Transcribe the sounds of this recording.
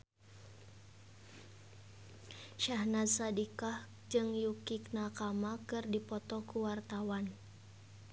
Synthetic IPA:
ʃahnat̪sadikah | d͡ʒɨŋjukik̚nakamakɨrdipɔt̪ɔkuwart̪awan

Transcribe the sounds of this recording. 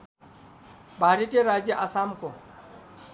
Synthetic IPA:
baɾitʼɪɾad͡ʒiʔasam̩kʼɔ

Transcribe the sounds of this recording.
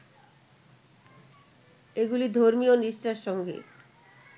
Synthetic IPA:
eɡulid̪ʱoɾmioniʃʈaɾʃɔŋɡḛ

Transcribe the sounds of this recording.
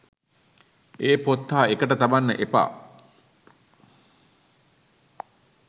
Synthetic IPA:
eːpot̪ːaːekəʈət̪abanːə̰ʔepa̰ː

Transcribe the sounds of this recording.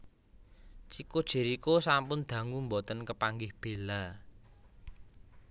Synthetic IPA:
t͡ʃikod̥ʒ̥e̤ɾikosampʊnd̪̥ä̤ŋumbot̪ənkəpaŋɡɪhb̥e̤la

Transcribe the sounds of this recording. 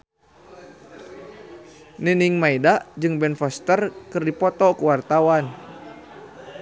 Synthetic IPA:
niniŋmaidaʔd͡ʒɨŋbɛnfɔst̪ərkɨrdipɔt̪ɔkuwart̪awan

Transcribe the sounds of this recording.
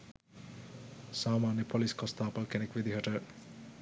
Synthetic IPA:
saːmaːnjepʰʌliskʌst̪aːpɐlkenekʋid̪iɦʌʈɐɾ

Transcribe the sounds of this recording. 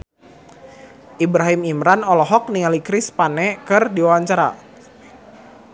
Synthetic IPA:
ʔibɾaɦimimɾanɔlɔɦɔk̚niŋalikɾɪspanɛkɨrdiwawaɲt͡ʃaɾa̰

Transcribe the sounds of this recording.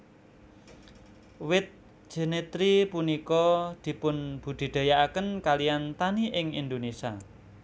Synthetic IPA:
wɪt̪̚ | ʒ̥ə̤net̪ɾipunikɔd̪̥i̤pʊnb̥ṳɖ̪̥i̤d̪̥a̤jaʔakənkaliant̪aniʔɪŋḭnd̪onesia̰

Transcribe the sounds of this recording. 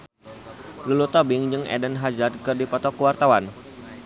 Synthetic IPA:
lulut̪ɔbɪŋd͡ʒəŋɛ̰dənɦad͡ʒadkɨrdipɔt̪ɔkuwart̪awan

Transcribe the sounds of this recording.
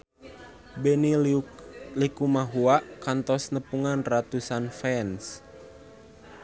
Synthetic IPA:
bɛni | likumaɦuaʔkant̪ɔsnəpuŋanrat̪usanfɛns

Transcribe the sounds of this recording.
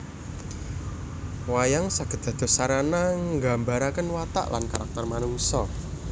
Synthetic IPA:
wajaŋsaɡ̥ə̤d̪̥a̤d̪̥o̤saɾanaŋɡa̤mbaɾakənwat̪a̰ʔla̰nkaɾak̚t̪ərmanuŋsɔ

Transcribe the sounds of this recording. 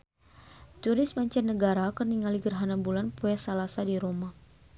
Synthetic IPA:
t̪uɾɪsmaɲt͡ʃarnəɡaɾakərniŋaliɡərɦanabulanpuasalasadiɾoma

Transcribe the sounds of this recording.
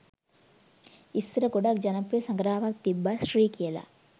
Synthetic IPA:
isɾɐkuɽakd͡ʒɐnɐpːesɐŋɡɾaːʋaːk̚t̪ibːasɾiːkila̰

